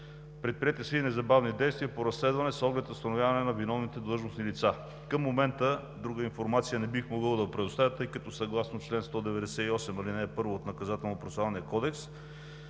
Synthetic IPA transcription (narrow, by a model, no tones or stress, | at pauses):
pɾɛt̪̚pɾijɛt̪ʲəsinɛzɐbavnid̪ɛjst̪vijəpoɾɐslɛd̪vɐnɛsɔɡlɛt̪ost̪ɐnovjavɐnɛnɐvinɔvnit̪ɛd̪lˠɤʒnosnilit̪sa | kəmːomɛnt̪ə | d̪ɾuɡəinfoɾmat̪sijənɛbixmoɡɤlˠd̪ɐpɾɛd̪oʊst̪avʲjət̪ɤjkɐt̪ɔsɐɡlˠasnot͡ʃlɛnst̪ɔd̪ɛvɛd̪ɛsɛiɔsɛmɐlinɛːpɤɾvoːt̪nɐkɐzat̪ɛlˠnopɾosˠavɐnijəkɔd̪ɛks